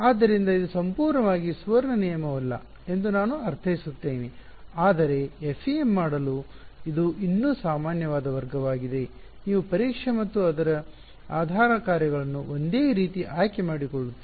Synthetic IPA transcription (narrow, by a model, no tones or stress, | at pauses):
aːd̪ːɐɾind̪ɐid̪usɐmpuːɾɳɐʋaːɡisʋɐɾɳɐnijɐmɐʋɐlːɐ̰ | e̞nd̪unaːnuɐɾt̪ʰɐjisut̪ːeːni | aːd̪ɐɾe̞efʰijemːaːɽɐlu | id̪uʔinːuːsaːmaːnjɐʋaːd̪ɐʋɐɾɡɐʋaːɡid̪e | niːʋupɐɾikʂɐmɐt̪ːuɐd̪ɐɾɐ | aːd̪ʱaːɾɐkaːɾjɐɡɐɭɐnːuond̪e̞ːɾiːt̪iʔaːjkemaːɽikoɭut̪ːi